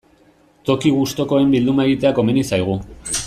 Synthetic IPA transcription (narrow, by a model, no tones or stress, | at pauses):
t̪o̞kiɣ̞ust̪o̞ko̞e̞mbild̪umae̞ɣit̪e̞ako̞menisajɣ̞u